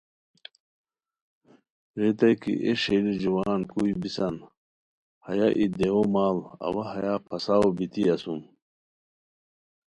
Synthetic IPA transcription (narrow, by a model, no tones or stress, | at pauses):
ɾit̪ɐjkḭʔeʂelid͡ʑuwaːnkujbisɐn | hɐjaʔid̪eomaːlɐ̰wɐɦɐjapʰɐsaobit̪iɐsum